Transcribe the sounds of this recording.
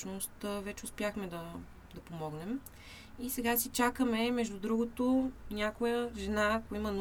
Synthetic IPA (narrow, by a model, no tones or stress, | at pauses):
nost̪vɛt͡ʃɛʊspjaxmɛd̪ɐ | d̪ɐpomɔɡnɛm | isɛɡasit͡ʃakəmɛmɛʒd̪ʊd̪ɾuɡʊt̪ʊnʲjakʊjəʒɛnakimɐn